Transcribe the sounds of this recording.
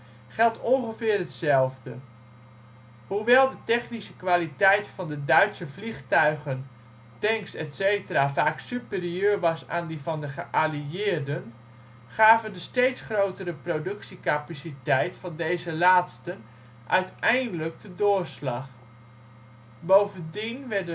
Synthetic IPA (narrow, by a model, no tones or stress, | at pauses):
χɛlˠtɔnχəvɪːrɦətsɛlˠvdə | huʋɛlˠdətɛχnisəkʋaːlitɛjtfɑndədœɥtsəvliχtœɥχən | tɛŋkstɛtsejtəraːvaːksypɪriøːɹʋɑsa̰ːndivɑndəχəʔaliɪːɹdən | χaːvəndəstejtsχrowtərəprodɵksikapasitɛjtfɑndejzəlaːtstən | ʔœ̰ɥtɛjndələk̚dədʊːɹslɑχ | bowvəndinʋɛrdə